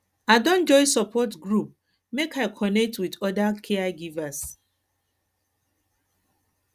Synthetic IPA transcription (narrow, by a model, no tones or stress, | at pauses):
aɪdõnd͡ʒɔɪsɔpɔtɡɾup̚ | mekaɪkʰɔnɛk̚twidɔdakʰeaɡivas